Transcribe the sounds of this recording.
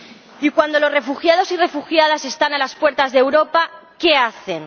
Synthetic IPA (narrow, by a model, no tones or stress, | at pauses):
ikwand̪o̞lo̞zre̞fuxjaðo̞sire̞fuxjaðase̞st̪analaspwe̞ɾt̪azðewɾo̞pake̞aθe̞n